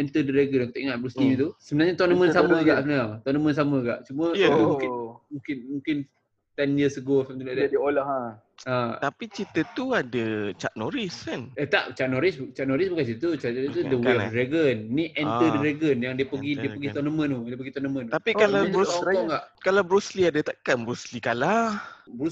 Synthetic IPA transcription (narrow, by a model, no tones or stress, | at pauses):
ɛnt̪ədəɾeɡənakit̪aʔiŋat̪̚bɾust̪im̃t̪usəbənarɲat̪ɔnəmə̃nsamə̃ɡaʔəbənaŋt̪ɔnəmə̃ns̬aməɡa̰ʔt͡ʃumə̃t̪umũkɪnmũŋkɪnmũŋkɪn | t̪ɛnjəsəɡosamt̪uladadiolaɦa | at̪apit͡ʃit̪ət̪uadət͡ʃat̪̚noɾiskanət̪a̰ʔt͡ʃaʔ̚noɾɪst͡ʃaʔ̪̚noɾisbəkat͡ʃit̪ət̪ut͡ʃat̪udəweɔfɾeɡənːiʔɛnt̪ədəɾeɡənjaŋdiəpəɡidiəpəɡit̪ɔnəmə̃nudiəp̬əɡit̪ɔnəmə̃nt̪apikalat̪uɔŋɡaʔkalawbɾusliadat̪aʔkanbɾuslikalabɾu